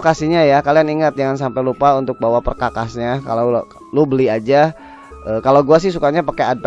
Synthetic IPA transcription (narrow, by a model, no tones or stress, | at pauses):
kasiɲajakalianiŋat̪̚d͡ʒaŋans̬ampajlupaunt̪ʊk̚bawapərkakasɲaka̰la | lubəliad͡ʒa | ʔəːkalawɡuas̬ɪhs̬ukaɲapakead̚p